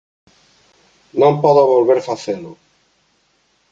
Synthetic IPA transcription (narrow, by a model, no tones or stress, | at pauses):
nõmpɔðoβolβeɾfaθelʊ